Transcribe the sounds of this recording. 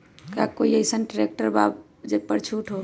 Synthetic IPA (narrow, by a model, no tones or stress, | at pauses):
kakoiəɪsənʈɾekʈəɾbab | d͡ʒepəɾt͡ʃʰuʈʰɦo